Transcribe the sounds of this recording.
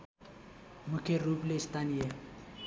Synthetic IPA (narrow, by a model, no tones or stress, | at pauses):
mukʰeruplest̪anije